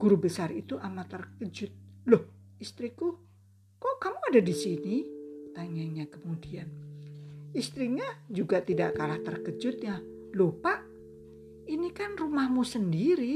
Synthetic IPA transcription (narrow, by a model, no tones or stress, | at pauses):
ɡ̥uɾubəsarit̪uʔamat̪ərkəd͡ʒʊt̪̚loh | ist̪ɾiku | kɔʔkamuadadisinit̪aɲaɲakəmudian | ist̪ɾiɲad͡ʒuɡat̪idaʔkalaht̪ərkəd͡ʒʊt̪̚ja | lohpaʔ | inikanrumahmusəndiɾi